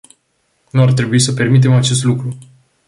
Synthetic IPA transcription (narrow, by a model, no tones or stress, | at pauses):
nuart̪ɾe̞buisəpe̞rmit̪̬e̞mat͡ʃe̞st̪lukɾu